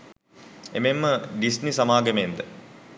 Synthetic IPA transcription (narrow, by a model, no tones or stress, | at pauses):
ememːəɖisnisɐmaːɡəmend̪ə